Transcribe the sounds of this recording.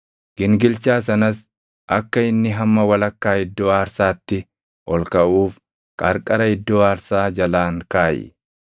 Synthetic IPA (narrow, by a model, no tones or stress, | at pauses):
ɡ̥ɪŋɡɪlt͡ʃaːs̬ɐnɐs | ʔɐkːɐɪnːɪɦɐmːɐwɐlɐkːaːhɪd̪ːoːaːɾsaːt̪ːɪ | ʔɔlkɐʔuːf | kʼɐɾkʼɐɾɐɪd̪ːoːaːɾsaːd͡ʒɐlaːŋkaːjɪ̰